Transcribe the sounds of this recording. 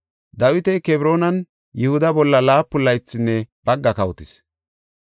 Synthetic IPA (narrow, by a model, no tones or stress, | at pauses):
d̪ɐwɪt̪ɛkɛbɾo̞ːnɐn | jɪhʊd̪ɐbɔlːɐlaːpːʊlːɐjt͡sːɪnːɛb̥ɐɡːɐkɐwt̪ɪs